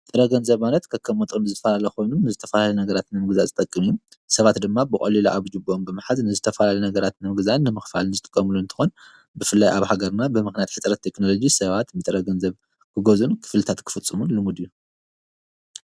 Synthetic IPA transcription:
t̪ʼɨɾɐɡɐnzɐβmanɐt̪kʰɐkʰːɐmot̪ʼɨnɨzɨt̪ɐfɐlalɐxo̞jnunɨzɨt̪ʰɐ̥fɐlalɐnɐɡɐɾat̪nɨmɨɡɨzazɨt̪ʼɐkʼːɨmijusɐβat̪d̪ɨmːabɨkʼɐ̰liloʔaβd͡ʒɨbɨʔombɨmɨħaznɨzɨt̪ʰɐfɐlalɐnɐɡɐɾat̪nɨmɨɡɨzanːɨmɨxfa̰lnɨzɨt̪ʼɨ̥kʼːɐmluɨnt̪ʰɨ̥xon | bɨfɨlːajʔaβhaɡɐɾnabɨmɨxnijat̪ħɨt͡s̪ʼɾɐt̪ʰːe̞kno̞lo̞d͡ʒisɐβat̪bɨt̪ʼɨɾɐɡɐnzɐβ | kʰɨɡozunkʰɨ̥flɨt̪ʰat̪kʰɨ̥fɨt͡sʼːɨmunlɨmud̪ijːu

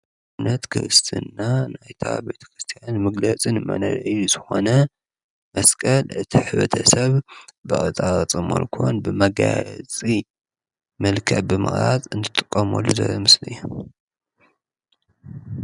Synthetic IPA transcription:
nɐt̪kʰɨɾɨst̪ʰɨnːanajt̪ʰa̰be̞t̪ʰɐ̥kɾɨst̪ʰijanmɨɡlɐt͡sʼinɨmɐ̰nɐɾʔɨjːuzɨxo̞nɐ | mɐskʼɐlɨt̪ʰiħɨβɐt̪ʰɐsɐβbɨʔʼɨt͡sʼaɾɐt͡sʼɨmo̰lkʰonbɨmɐɡat͡sʼi | mɐlkʰɐʕbɨmɨ̰χʼɾat͡sʼɨnt̪ʰɨt̪ʼɨkʼːɐmolːuzɐ̰jomɨslɨjːu

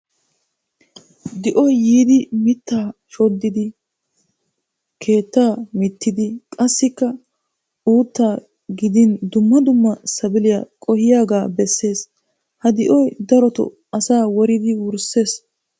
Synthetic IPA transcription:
d̪ɪʔɔjːiːd̪ɪmɪt̪ːaːʃɔd̪ːɪd̪ɪ | kʰe̞ːt̪ːaːmɪt̪ːɪd̪ɪkʼɐsːɪkːɐ | uːt̪ːaː | ɡɪd̪ɪnd̪ʊmːɐd̪ʊmːɐsɐbɪlɪja̰ːkʼɔhɪjaːɡaːbɛsːe̞ːs | hɐd̪ɪʔɔjd̪ɐɾɔt̪ɔ̰ | ɐsaːwɔɾɪd̪ɪwʊɾsːe̞ːs

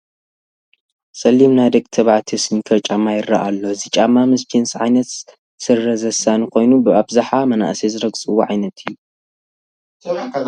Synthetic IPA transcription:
sʼɐlːimnad̪ɐkʼt̪ʰɐβʕt̪ʰisnikʰɐt͡ʃʼamajɪra̰ʔalːozɨt͡ʃʼamːamɨskʰinsʕajnɐt̪ | sɨrːɐzɐsanɨkʰo̞jnubɨabzaħamɐna̰ʔsezɨɾɐɡt͡sʼɨwuʕajnɐt̪ʰɨjːu

